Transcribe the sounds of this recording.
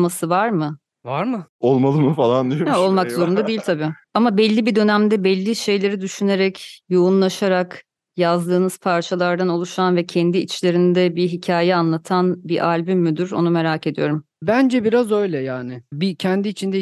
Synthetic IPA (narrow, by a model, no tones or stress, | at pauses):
masɯvaɾmɯ | vaɾmɯolˠmalˠɯmɯfalˠand̪iɛo̞lˠmakzo̞ɾund̪ad̪eilʲt̪ʰabiː | amabɛlʲːibid̪ø̞næmd̪ɛbɛlʲːiʃe̞jlʲe̞ɾid̪yʃyne̞ɾɛcjo̞unlˠaʃaɾak | jazd̪ɯːnɯz̥pʰaɾt͡ʃʰalˠaɾd̪ano̞lˠuʃanvɛcʰɛnd̪iːt͡ʃlʲe̞ɾind̪ɛbiɦicʰaːjɛanlˠat̪ʰanbiʔalʲbimːyd̪yɾo̞̰nume̞ɾaːce̞d̪ijo̞ɾum | bænd͡ʒɛbiɾazø̞jlʲɛjaːnɪbicʰɛnd̪iːt͡ʃʰind̪ɛ